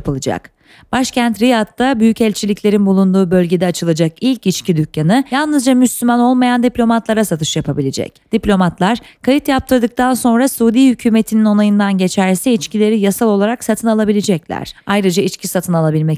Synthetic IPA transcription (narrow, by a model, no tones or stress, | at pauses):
pɯlˠɯd͡ʒa̰k | b̥aʃcʰænt̪ɾijat̪ːabyjycɛlʲt͡ʃʰilʲicʰʲlʲe̞ɾinbulˠund̪uːbø̞lʲɟe̞d̪ɛat͡ʃʰɯlˠad͡ʒakilʲcit͡ʃcid̪ycjanɯjalˠnɯzd͡ʒamyslʲymano̞lˠmajand̪iplʲo̞mat̪lˠaɾasat̪ʰɯ̥ʃjapʰabilʲed͡ʒɛ̰cd̪̥iplʲo̞mat̪lˠaɾkʰajɯt̪jap̚t̪ʰɯɾd̪ɯk̚t̪ʰanso̞nɾasuːd̪iːhycʰyːme̞t̪ʰinino̞najɯnd̪anɟe̞t͡ʃʰæɾsɛit͡ʃcilʲe̞ɾijasalˠo̞lˠaɾaksat̪ʰɯnalˠabilʲed͡ʒɛclʲæ̰ɾ̥ajɾɯd͡ʒait͡ʃcʰisat̪ʰɯnalˠabilʲmɛ